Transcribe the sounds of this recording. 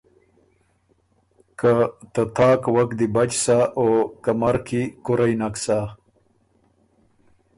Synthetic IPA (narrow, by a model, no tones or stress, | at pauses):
kat̪at̪ʰaːkwakd̪ibat͡ʃsaʔokamaɾkʰikʊɾajnaksa